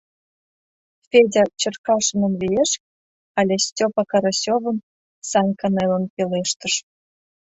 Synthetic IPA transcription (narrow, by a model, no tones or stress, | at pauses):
fʲedʲɑt͡ɕə̆rkɑʃə̆nə̆mlijeʃ | ɑlʲesʲtʲopɑkɑɾosʲovə̆n | sɑnʲkɑnelənpeleʃt̪əʃ